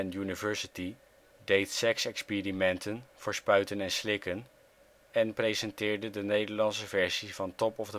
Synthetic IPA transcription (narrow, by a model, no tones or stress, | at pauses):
ɛnjynivɛɹsəti | dejtsɛksɛkspidimɛntənv̥oːɹspœɥtənɛnslɪkən | ɛnprejzɛntɪːɹdədənejdəɹlɑnsəvɛɹsivɑntɔpɔvdə